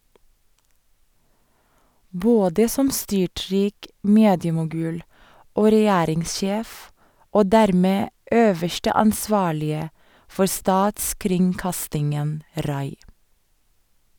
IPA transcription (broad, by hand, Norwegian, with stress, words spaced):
ˈboːdə ˈsɔm ˈstʏˌʈɹiːk ˈmeːdjəmʊˌɡʉːl ˈoː ɾɛˈjæːɾɪŋsˌʃeːf ˈoː ˈdæɾmeː ˈʔøːʋəʃʈə ɑnˈsʋɑːɭɪə ˈfɔɹ ˈstɑːtskɾɪŋˌkɑstɪŋən ˈɾɑɪ